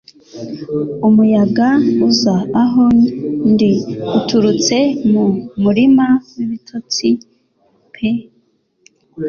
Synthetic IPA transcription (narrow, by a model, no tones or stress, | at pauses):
umujaɡauzaːɦondiutʰuɾut͡se̞mumuɾimawiβitʰot͡si | pʰe